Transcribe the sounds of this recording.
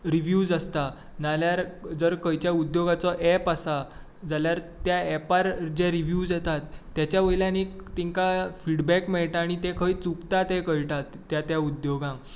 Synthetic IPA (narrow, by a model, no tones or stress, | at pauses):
ɾiʋjud͡zəst̪a | naljaɾd͡zəɾkəjt͡ɕjaud̪joɡat͡sɔʔɛpasa | d͡zaljaɾt̪jaɛpaɾd͡ʑeɾiʋjud͡zjɛt̪at̪ːjat͡ɕjaʋəjljãnet̪iŋkafiɽbɛkmeɭʈaːɽ̃it̪ẽkʰəiːt͡sukt̪at̪ekəɭʈat̪ːjat̪jaud̪joɡã